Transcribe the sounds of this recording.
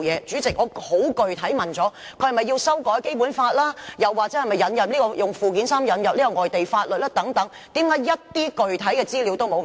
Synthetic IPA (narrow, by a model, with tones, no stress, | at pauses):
jɛː˨˧t͡syː˨˥t͡sɪ˨k̚ŋɔː˨˧ho˨˥wkɵ˨ɥt̪ʰɐ˨˥jmɐ˨˩nt͡sɔː˨˥ | kʰɵ˧hɐ˨˩mɐ˨jːiː˧wsɐ˥wkɔː˨˥jke˥jpuː˨˥nfaː˧t̚laː˥jɐ˨wːaː˨˩k̚t͡sɛː˨˥hɐ˨˩mɐ˨jːɐ˨˧njɐ˨p̚liː˥kɔː˧jʊ˨ŋfuː˨k̬iː˨˥nsaː˥mjɐ˨˥njɐ˨p̚liː˥kɔ˧ŋɔː˨jt̪e˨jfaː˧t̚lɵ˨t̚laː˥t̪ɐ˨˥ŋt̪ɐ˨˥ŋ | t̪iː˨˥mkaː˨˥jjɐ˥t̚t̪iː˥kɵ˨ɥt̪ʰɐ˨˥jkɛː˧t͡siː˥li˨˧˥wt̪o˥wmo˨˧w